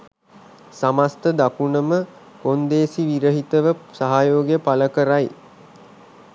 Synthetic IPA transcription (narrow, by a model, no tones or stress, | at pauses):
samast̪əd̪akunəmə | kond̪eːsiʋiɾəɦit̪əʋəsaɦajoːɡejəpaləkəɾaj